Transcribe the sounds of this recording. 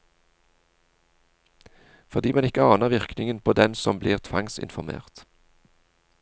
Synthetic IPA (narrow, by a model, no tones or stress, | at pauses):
fɔʁd̪iːmɛnɪkəɑːnəʁʋɪʁknɪŋənpʰoːd̪ɛnsɔmbliːʁt̪ʰʋɑ̰ŋsɪ̰nfɔʁmḛːʁt̪